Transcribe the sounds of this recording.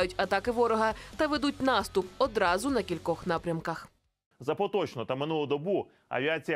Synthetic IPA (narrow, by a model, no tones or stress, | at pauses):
jʊtʲɐt̪ɑkɪʋɔɾɔɦɐt̪ɐʋed̪utʲnɑst̪ʊpɔd̪ɾɑzʊnɐkʲilʲkɔxnɑpɾʲɐmkɐx | zɐpɔt̪ɔt͡ʃnɔt̪ɐmɪnulˠɔd̪ɔbu | ɐ̰ʋʲiat͡sʲijɐ